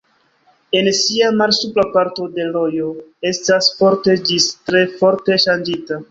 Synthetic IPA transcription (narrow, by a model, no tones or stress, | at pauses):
e̞nsiamalsuplapaɾto̞de̞lo̞jo̞e̞stasfo̞ɾte̞d͡ʒistɾe̞fo̞ɾte̞ʃand͡ʒita